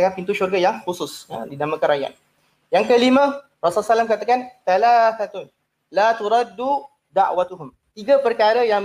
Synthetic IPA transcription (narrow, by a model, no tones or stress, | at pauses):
kanpint̪uʃurɡajaŋxusʊsa̰dinamə̃kanɾaja̰t̪̚ | jaŋkəlimə̃ | rasalsalamkat̪akanθalaθat̪ʊn | lat̪uɾad̪ːu | d̪aʔwat̪uɦʊm | t̪iɡapərkaɾəjaŋm